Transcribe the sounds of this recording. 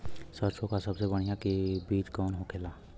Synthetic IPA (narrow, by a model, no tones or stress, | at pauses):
səɾsʰokasəbsebəɽ̃ijakebiːd͡ʒkɔːnɦokʰela